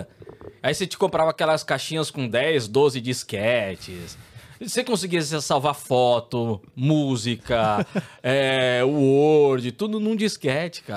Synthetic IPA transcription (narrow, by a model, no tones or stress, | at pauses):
aiset͡ʃɪ̥kõpɾavaːkɛlɐskaʃĩɲɐskõd̪ɛjzd̪ozɪd͡ʒiskɛt͡ʃɪssekõsiɡiɐs̬esawvafɔt̪ʊmuzikɐ | ɛʊoɾd͡ʒɪt̪ud̪ʊnũd͡ʒiskɛt͡ʃɪ̥ka